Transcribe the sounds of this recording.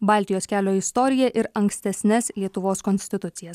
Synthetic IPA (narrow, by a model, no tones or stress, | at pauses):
bɑːˑlʲt̪ʲɪjoːskʲæːlʲoːɪst̪ɔɾʲɪjɛʔɪɾɐŋksʲt̪ʲɛsʲnʲɛslʲiɛt̪ʊʋoːskɔnʲsʲt̪ʲɪt̪ʊt̪sʲɪjɛs